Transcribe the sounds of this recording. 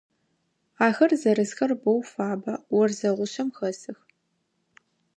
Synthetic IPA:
aːxɐrzɐɾɨzxɐrbowfaːbɐwɔrzɐʁʷʊʃɐmxɐsɨx

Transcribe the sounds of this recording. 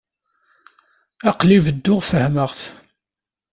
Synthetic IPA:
æqlivəd̪ːʊʁfəhməʁθ

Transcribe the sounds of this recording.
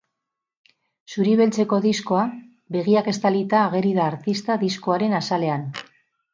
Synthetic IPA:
suɾiβe̞lt͡se̞ko̞ðisko̞a | βe̞ɣiake̞st̪alit̪aːɣe̞ɾiðaːɾt̪ist̪aðisko̞aɾe̞nasale̞an

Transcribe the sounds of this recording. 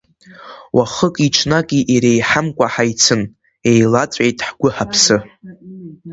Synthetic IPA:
wʔaχəkʼiʈ͡ʂʰnakʼiʔiɾejħamkʷʼaħajt͡sʰɨn | e̞jlat͡sʷʼejtʼħɡʷʊħapʰsɨ

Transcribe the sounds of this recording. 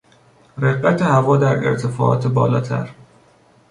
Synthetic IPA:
ɾeɢbæt̪ʰehævɒːd̪æɾḛɾt̪ʰefɒ̰ːʔɒ̰ːt̪ʰebɒ̰ːlɒ̰ːt̪ʰæ̰ɾ

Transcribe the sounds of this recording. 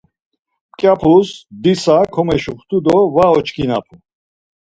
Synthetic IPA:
kʼjapʰusd̪isakʰɔmɛʃuχt̪ʰud̪ɔvaɔt͡ʃʼkʰʼina̰pʰu

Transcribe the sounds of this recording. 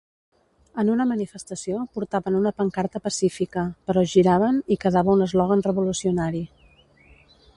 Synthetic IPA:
ənunəmənifəst̪əsiopuɾt̪aβənunəpəŋkaɾt̪əpəsifikəpəɾɔʒiɾaβənikəðaβəunəzlɔɣənrəβulusiunaɾi

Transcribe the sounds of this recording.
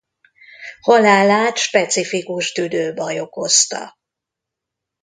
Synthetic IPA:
hɒlaːlaːt̪ʃpɛt̪sifikuʃt̪yd̪øːbɒjo̞kost̪ɒ̰

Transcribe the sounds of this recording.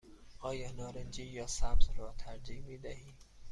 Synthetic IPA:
ʔɒːjɒːnɒːɾend͡ʒiːjɒːsæbzɾɒːt̪ʰæɾd͡ʒiːmiːd̪æhiː

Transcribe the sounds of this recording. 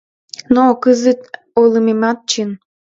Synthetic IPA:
nokɨzɨt̪ | olˠɯmemɑt̪̚t͡ɕən

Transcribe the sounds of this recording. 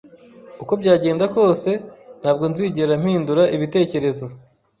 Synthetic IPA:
uko̞bɟaːɟe̞ːndako̞ːse̞n̥haːb̚ɡo̞nziːɟeɾam̥hiːnduɾaʔiβite̞ːce̞ɾe̞zo̞

